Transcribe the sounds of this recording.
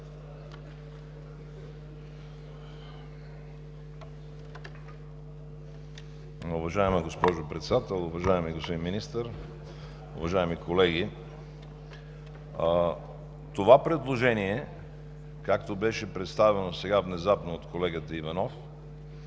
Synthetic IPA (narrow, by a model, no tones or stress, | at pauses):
ʊvɐʒaɛməɡospɔʒopɾɛt̪sɛd̪at̪ɛlˠʊvɐʒaɛmiɡospod̪inminist̪əɾ | ʊ̰vɐʒaɛmikʰolɛɡi | t̪ovapɾɛd̪lˠoʒɛniɛ | kakt̪obɛʃɛpɾɛt̪st̪avɛnosɛɡavnɛzapnoot̪kolɛɡət̪əivɐnɔf